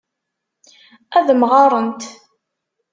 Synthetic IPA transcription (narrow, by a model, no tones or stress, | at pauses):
æðmʁɑɾˤənt̪